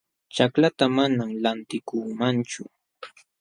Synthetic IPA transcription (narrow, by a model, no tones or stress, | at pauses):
t͡ʃaklat̪amanamlant̪ɪkuːmant͡ʃʊ